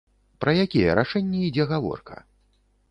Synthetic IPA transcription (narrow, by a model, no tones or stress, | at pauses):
pɾɐjakʲɛjɛ̰ɾaʂɛnʲːɛid͡zʲɛɣavɔ̰rkɐ̰